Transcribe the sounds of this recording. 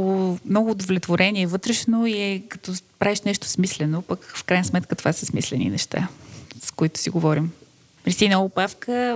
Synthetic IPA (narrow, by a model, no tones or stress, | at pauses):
ʊmnɔɡʊːd̪ovlʲɛt̪voɾɛnʲiɛvɤət̪ɾɛʃnoiɛkɐt̪ɔpɾaviʃnɛʃt̪ʊ̥smislɛnopəkfkɾajnəsmɛt̪kət̪o̥vasəsmḭslɛnḭnɛʃt̪a̰skoit̪ʊ̥siɡovɔɾim | mɾisinoʊpafkə